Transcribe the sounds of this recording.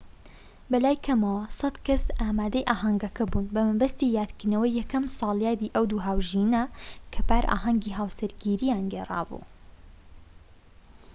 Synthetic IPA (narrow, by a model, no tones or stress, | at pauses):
bɐlaːjkʰɐmɐwɐsɐd̪kɐsʔaːmaːd̪ɐjʔaːɦɐŋɡɐkʰɐbunbɐmɨbɐst̪ijaːt̪kɨɾnɐwɐjːɛkɐmsɑːlˠjaːd̪iːʔɐwd̪uːɦaːwʒinɐkʰɐpaːɾʔa̰ːɦɐŋɡiːɦaːwsɐɾɡiɾijaːnɡeːrˤɑ̰ːbṵː